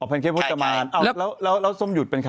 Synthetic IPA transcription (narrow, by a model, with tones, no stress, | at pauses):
ʔɔː˨˩pʰnkʰeː˦˥˩pʰo˦˥t̪̚k̪ːa˧maː˧nʔaː˧˩˦lɛː˦˥wlɛː˦˥wlɛː˦˥wso˥˨mju˨˩t̪̚pe˧nkʰa˧